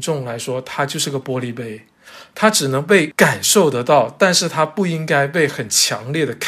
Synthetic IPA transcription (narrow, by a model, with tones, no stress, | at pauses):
ʈ͡ʂʊ˥˩ŋla˧˥ɪʂwɔ˥t̪ʰa˥t͡ɕjo˥˧ʂɻ̩˥˧˩ɡə˩pwɔ˥li˥˩pe˥ɪ | t̪ʰa˥ʈ͡ʂɻ̩˨˩nɤ˧˥ŋpe˥˩ɪka˨˩nʂo˥˩ʊt̪ɤ˧˥t̪ɑ˥˩ʊt̪a˥˧nʂɻ̩˥˩t̪ʰa˥pu˥˩i˥ŋka˥ɪpe˥˩ɪxə˨˩nt͡ɕʰjɑ̰˧˥ŋljɛ˥˩d̪ə˩kʰ